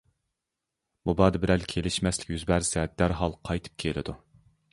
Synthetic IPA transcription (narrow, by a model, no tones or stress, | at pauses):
bubɑd̪ɨbɪɾɛlkʲʰelɪʃmɛslɪ̥kʲjyzbæɾsɛd̪æɾɦɑlˠqʰɑjt̪ʰɨ̥p̚kʲʰelɪ̰d̪u